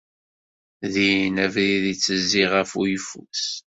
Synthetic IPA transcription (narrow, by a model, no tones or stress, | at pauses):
ðinævɾiðit͡sːəzːiʁæfujəfṵs